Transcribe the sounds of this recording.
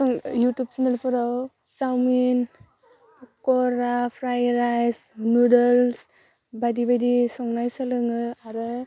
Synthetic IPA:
ɔŋjutjub̚t͡ʃanəlpʰɔɾaw | t͡ʃawmin | kɔɾapʰɾajɾajsnudɔls | badibadisɔŋnajsalɯŋɯaɾɯ

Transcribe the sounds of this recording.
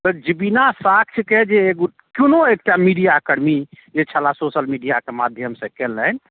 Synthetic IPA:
t̪əd͡ʒibinasak̚ʰt͡ʃʰked͡ʒeɡ | kunoek̚ʈamiɖijakəɽmid͡ʒet͡ʃʰalasosəlmiɖijakemad̪ʱjəmsə̃kelːən

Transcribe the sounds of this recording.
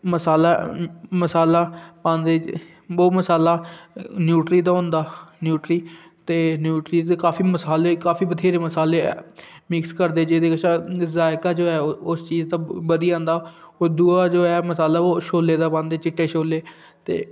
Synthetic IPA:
məsaːlaːməsaːlaːpãːnd̪eː | oːməsaːlaːnjuːʈɾiːd̪aːɦõnd̪aːnjuːʈɾiː | t̪eːnjuːʈɾiːt̪ekaːfʰiːməsaːleːkaːfʰiːbət̪ʰeːɾeːməsaːleː | mɪkskəɾd̪eːd͡ʒeːd̪eːkʃazaːɪkaːd͡ʒoːɛːʊst͡ʃiːzt̪aːbəd̪iːãːnd̪aː | oːd̪uːaːd͡ʒoːɛːməsaːlaːoːʃoːlːeːd̪aːpãːnd̪eːt͡ʃɪʈːeːʃoːleː | t̪ḛː

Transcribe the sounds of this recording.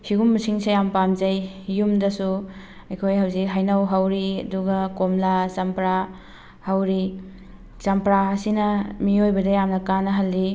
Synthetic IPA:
hiɡumːɐsiŋsejampamzajjumdɐsu | ɐjkʰojɦawzikɦajnawɦawɾiɐduɡɐkomlasampɾa | hawɾi | sɐmpɾaːsinɐmiojbɐdɐjamnɐkanɐɦɐlːi

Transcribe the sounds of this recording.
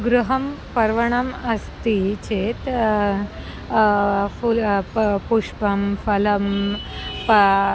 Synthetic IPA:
ɡɾuɦəmpəɾʋəɳ̃əməst̪it͡ɕet̪ | fu | puʂpəmfələm | pə

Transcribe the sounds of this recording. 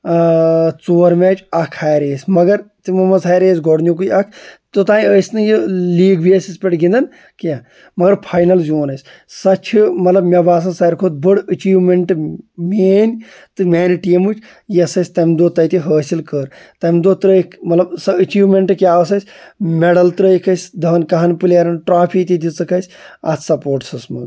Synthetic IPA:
t͡soːɾmet͡ʃɐkʰhaːɾeːsʲmɐɡɐɾt̪imumɐzaːjɾeːsɡoɽnʲuk̬uiɐkʰt̪ot̪ãːĩəːsʲnɨjiliːɡbiɐsispʲeʈɡind̪ɐn | kaː | mɐɡɐɾpʰaːjnɐlzjoːnɐsʲ | sɐt͡ʃʰɨmɐt̪lɐbmʲɐbaːs̬ɐ̃nsɐːɾkʰot̪̚bɨɽət͡ʃiːʋmeɳʈmeːnʲ | t̪ɨmeːnʈiːmut͡ʃʰ | jɐsɐsʲt̪ɐmd̪oːt̪ɐjt̪iɦəːsilkəɾ | t̪ɐmd̪oːt̪ɾəːkmɐt̪lɐbsɐət͡ʃiːʋmeɳʈɨkjaːəsɐsʲ | meɽɐlt̪ɾəːikʰɐsʲd̪ʱɐːnkɐɦɐnpɨlʲaɾɐnʈɾaːpʰit̪id̪it͡sɐkɐsʲa̰t̪ʰsɐpoːɾʈsɐsmɐt̪

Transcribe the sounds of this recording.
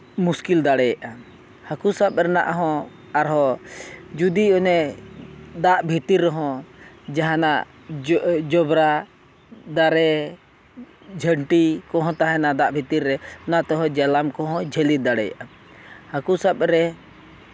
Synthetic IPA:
muskild̪aɽɛjaʔa | həkusap̚ɾɛna̰ʔɦɔ̃ | aɾɦɔ | d͡ʒud̪iɔnɛ | d̪aʔbʱit̪iɾːɔɦɔ̃d͡ʒaɦãnaʔ | d͡ʒɔbɾa | d̪aɾɛ | d͡ʒʱəɳʈikɔ̃ɦɔ̃t̪aɦɛnad̪aʔbʱit̪iɾːɛnat̪ɔɦɔd͡ʒalamkɔɦɔ̃d͡ʒʱəlid̪aɽɛja̰ʔa | həkusab̚ɾɛ

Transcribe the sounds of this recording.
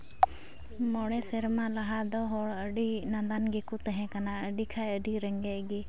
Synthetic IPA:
mɔɽɛsɛɾmãlaɦad̪ɔɦɔɽəɖinãd̪anɡikut̪ɛɦɛ̃kanaəɖikʰajəɖiɾəŋɡɛɡi

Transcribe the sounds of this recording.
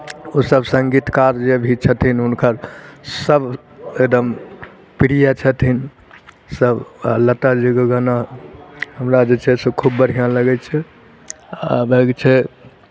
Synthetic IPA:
usəbsəŋɡit̪kaɾd͡ʒebʱit͡ʃʰət̪ʰinunkʰəɾsəb | ekd̪əm | piɽijat͡ʃʰət̪ʰin | səbaləʈ̪ad͡ʒeɡəɡəna | ɦəmɾad͡ʒet͡ʃʰɛsəkʰubːəɾ̤ijãləɡɛt͡ʃʰɛ | abeɡt͡ʃʰɛ

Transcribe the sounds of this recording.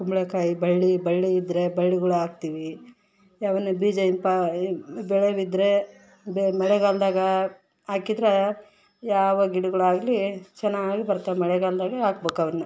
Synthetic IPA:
kumbɭekaːjibɐɭːibɐɭːiːd̪ɾe̞bɐɭːiɡɐɭuaːɡ̚t̪iːʋi | jaːʋɐnːubiːd͡ʒɐimpɐbɛɭeʋid̪ɾe | bemɐɭɛɡald̪aːɡɐ | aːkid̪ɾe | jaːʋɐɡiɽuɡɐɭuaːɡlit͡ʃɛnːaːɡibɐɾt̪amɐɭɛɡaːld̪aːɡɐaːk̚beːkɐʋɐnːɐ

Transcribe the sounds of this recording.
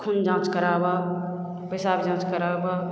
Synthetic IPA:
kʰund͡ʒãːt͡ʃkəɾaːba | pəsaːbid͡ʒãːt͡ʃkəɾaːba

